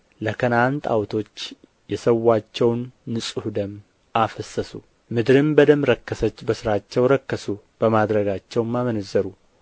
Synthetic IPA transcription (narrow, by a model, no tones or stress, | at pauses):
lək̪ʰənant̪ʰa̰wt̪ʰo̞t͡ʃː | jɛsəwːat͡ʃːɛwnːɨsʼuhud̪əm | afəsːəsu | mɨd̪ɾɨmbəd̪əmɾəkːəsət͡ʃːbəsɨɾat͡ʃːɛwɾəkːəsu | b̥əmad̪ɾəɡat͡ʃːɛwmːamənəzːəɾu